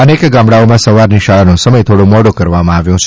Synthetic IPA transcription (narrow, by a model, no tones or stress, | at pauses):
ənekɡãmɽaomãsəʋaɾniʃaɭanũsəməjt̪ʰoɽũmɔɽokəɾʋamãaʋjũt͡ʃʰ